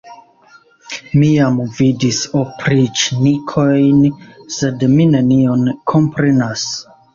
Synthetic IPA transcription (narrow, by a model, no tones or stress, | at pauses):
miamvidisopʰɾit͡ʃnikʰojnse̞dmine̞nionkʰo̞mpɾenas